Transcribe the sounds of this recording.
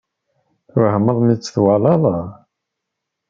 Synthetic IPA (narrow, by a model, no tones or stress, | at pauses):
θʊɾhəməðˤmit͡sːθwalɑlˤɑ